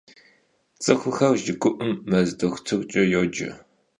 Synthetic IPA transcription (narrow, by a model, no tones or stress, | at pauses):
t͡sʼɨxʷʊxɐrʒɪɡʷʼʊʔʊmːɐzdɨxʷtʰɨrt͡ʃʼɐjoːd͡ʒɪ̰